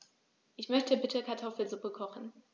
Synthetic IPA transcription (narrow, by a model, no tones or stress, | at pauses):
ʔɪçmœçtʰəbɪtʰəkʰaɐtʰɔfl̩zupəkʰɔχn̩